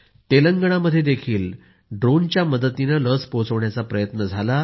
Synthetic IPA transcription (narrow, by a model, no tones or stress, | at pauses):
t̪eləŋɡəɳ̃aməd̪ʱːjed̪ekʰiːl | ɖɾont͡ɕjaməd̪ət̪inələspot͡səʋɳjat͡sapɾəjət̪nəd͡zʱala